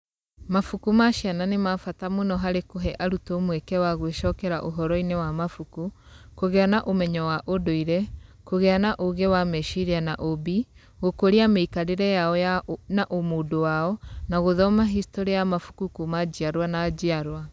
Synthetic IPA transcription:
mafukumaʃiananemafatamonɔɦaɾekoɦɛʔaɾutomwekɛwaɣweʃɔkɛɾaʔoɦɔɾɔinewamafuku | koɣɛanaʔomɛɲɔwaʔodoiɾɛkoɣɛanaʔoɣewamɛʃiɾianaʔobi | ɣokoɾiameikaɾeɾɛjaɔjanaʔomodowaɔnaɣoðɔmaɦistoɾiajamafu̥kukumad͡ʑiaɾwanad͡ʑiaɾwa

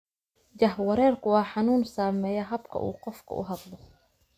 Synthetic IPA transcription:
d͡ʒɐɦwɐɾɛːrkʰʊwɑːħɑnuːnsaːmɛːjɛɦɐbkʰɐ̰ʔṵːqɔfkʰɐ̰ʔʊ̰ɦɑd̪lɔ

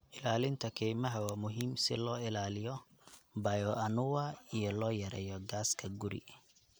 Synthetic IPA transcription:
ʔɪlaːlɪnt̪ʰɐkʰɛjmɐɦɐwaːmʊɦiːmsɪ̰lɔːɪlaːlɪjɔbɐjɔʔɐnʊwɐijɔlɔːjɐɾɛ̰ːjɔɡaːskʰɐɡʊɾɪ̰

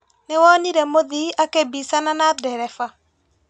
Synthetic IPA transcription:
nɛwɔniɾemod̪iakebisananad̪dɛɾɛfa

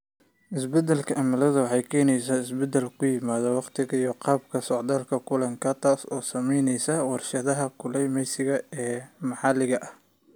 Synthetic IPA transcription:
ʔɪsbɛd̪ɛlkʰɐʔɐmɐlɐðʊwɑħɑjkʰɛːnɛjsaːɪsbɛd̪ɛlkʰʊjɪmaːðɐwɑqt̪ʰɪɣɐijɔqɑːb̚kʰɐsɔʕd̪aːlkʰɐkʰʊlɐŋkʰɐt̪ʰaːsɔːsɐmɛjnɛjsɐwɑrʃɐðɐɦɐkʰʊlɛjmɛjsɪɣɐɛːmɑħɑlɪɣɐʔɐh

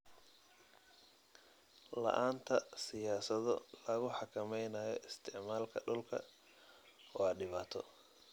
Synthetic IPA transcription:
lɐ̰ʔaːnt̪ʰɐsɪjaːsɐðɔlɐɣʊħɑkʰɐmɛjnaːjɔɪst̪ʰɪʕmaːlkʰɐɖʊlkʰɐ̰ | ɔːɐɖɪβaːt̪ʰɔ

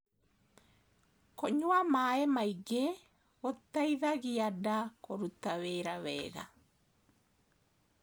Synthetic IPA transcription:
koɲwamaːemaiɡe | ot̪aiðaɣiadakoɾutaweɾawɛ̰ːɣa̰

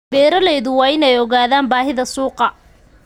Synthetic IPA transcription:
bɛːɾɐlɛjðʊwɑːɪnɛjɔɣaːðaːmbaːɦɪðɐsuːqɑ

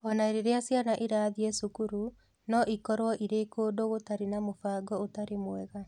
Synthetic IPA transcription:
ɔnaeɾeɾeasjanaʔeɾaːðiɛsukuɾu | nɔʔikɔɾwɔʔiɾeːkoːdoɣotaɾenamofaːɡɔotaɾemwɛɣa

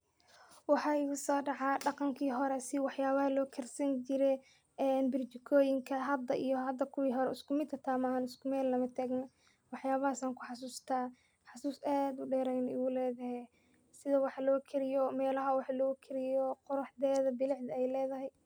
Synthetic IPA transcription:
wɑħɑːɪɣʊsɔːɖɑʕɑɖɑqɑŋkʰiːɦɔɾɛsɪwɑħjaːβɐhɐlɔːkʰɛrsɐnt͡ʃɪɾɛ | ɛːnbɪrt͡ʃɪkʰɔːjɪŋkʰɐɦɐd̪ɐʔijɔɦɐd̪ɐkʰʊwiːɦɔɾɛɪskʊmɪt̪ʰɐt̪ʰaːmaaːnɪskʰʊmɛːlnɐmɐt̪ʰaːɡnɐ | wɑħjaːβɐhasaːŋkʰʊ̥ħɑsuːst̪ʰaː | ħɑsuːsaːd̪ʊɖɛːɾɛjnɪɣʊlɛːðɐhɛ | sɪðɐwɑħlɔːkʰɪɾɪjɔmɛːlɐɦɐwɑħlɔːkʰɪɾɪjɔqʊɾʊħd̪ɛːðɐbɪlɪħd̪ɐɛjlɛːðɐɦɛj

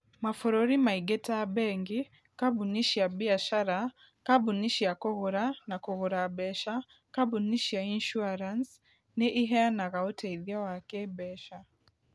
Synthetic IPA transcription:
mafuɾoɾimaiɡɛtabɛŋɡi | kabuniʃiabiaʃaɾa | kabuniʃiakɔɣuɾanakɔɣuɾabɛʃa | kabuniʃiainʃuaɾans | neʔiɦɛanaɣaotʰɛiðjawakebɛʃa

